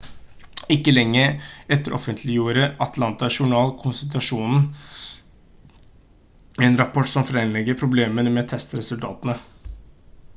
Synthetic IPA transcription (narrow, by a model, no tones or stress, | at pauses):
ɪkːəlɛŋːəɾɛt̪ːəɾʔɔ̰fənt̪ʰlɪjuːɾəɑt̪ʰlɑnt̪ɑʂʊɳɑːlkʰʊnsɪt̪̬ɑʂuːnn̩ | ɛnɾɑpʰɔʈːsɔmfɾɛnlɛɡəɾpʰɾʊbleːmənəmɛt̪ʰɛst̪ɾɛsʉlt̪ʰɑ̰ːt̪ənə